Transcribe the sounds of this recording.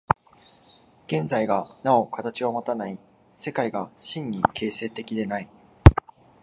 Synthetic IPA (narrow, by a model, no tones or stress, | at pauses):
ɡ̥ẽ̞nd͡zaiɡanao̞kat̪at͡ɕiβomot̪anai | se̞kaiɡaɕĩɲ̟ːikʰe̞ːse̞ːt̪e̞kʲid̪e̞nai